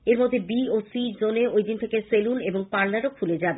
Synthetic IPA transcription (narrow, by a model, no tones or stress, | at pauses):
eɾmod̪ʱːebiosid͡ʑoneojd̪int̪ʰekeseluneboŋpaɾnaɾokʰuled͡ʑabe